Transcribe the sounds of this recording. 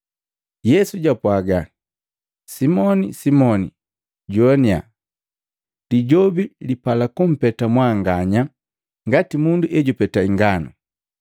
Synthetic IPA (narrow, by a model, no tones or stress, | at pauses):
jɛsuɟapwaɡa | simɔnḭsimɔni | ɟɔnia̰ | d̥iɟɔbilipalakum̩pɛtamwaŋɡaɲa | ŋɡatimunduʔɛɟupɛtaiŋɡanṵ